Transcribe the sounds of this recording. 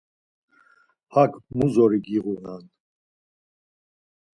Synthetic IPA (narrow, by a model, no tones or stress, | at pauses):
hakʰmuzɔɾiɡiʁunan